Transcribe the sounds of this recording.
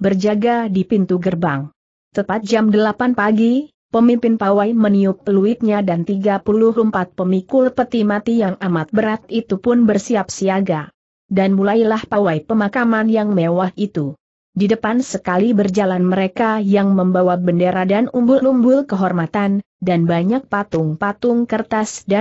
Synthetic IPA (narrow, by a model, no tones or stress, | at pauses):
bərd͡ʒaɡadipint̪uɡərbaŋ | t̪ət̪at̪̚d͡ʒamdəlapanpaɡi | pəmimpɪnpawajməniʊp̚luɪt̪̚ɲadant̪iɡapulʊhəmpat̪̚pəmikʊpərt̪imat̪ijaŋamat̪̚bəɾat̪̚it̪upʊnbərsiap̚siaɡa | danmulajlahpawajpəmakamanjaŋmewahʔit̪u | didəpansəkalibərd͡ʒalanməɾekajaŋməmbawabəndeɾadanumbʊlumbʊlkəɦɔrmat̪an | danbaɲak̚pat̪ʊŋpat̪ʊŋkərt̪asda